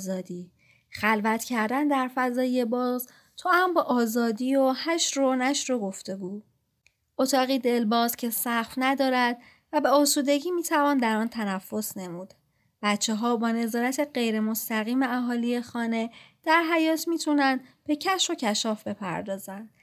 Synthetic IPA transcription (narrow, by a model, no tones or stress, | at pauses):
zɒːd̪iː | χælvæt̪ʰcʰæɾd̪ænd̪æɾfæzɒːje̞bɒːz | t̪ʰɒæmbɛːʔɒːzɒːd̪iːohæʃɾonæʃɾo̞ɡoft̪e̞ɡuː | ot̪ʰɒːɣiːd̪e̞lbɒːzcʰe̞sæχfnæd̪ɒːɾæd̪̥̚ | væbeosuːd̪e̞ɟiːmiːt̪ʰævɒːnd̪æɾɒːnt̪ʰænæfːo̞sne̞muːd̪ | b̥æt̪t͡ʃʰːeɦɒːbɒːne̞zɒːɾæt̪ʰe̞ɢe̞jɾe̞mo̞st̪æɣiːme̞æɦɒːlije̞xɒːne̞d̪̥æɾɦæjɒːt̪ʰmiːt̪ʰunænd̪b̥e̞cʰæʃo̞cʰæʃɒːfbe̞pʰæ̰ɾd̪ɒːzænd̪̥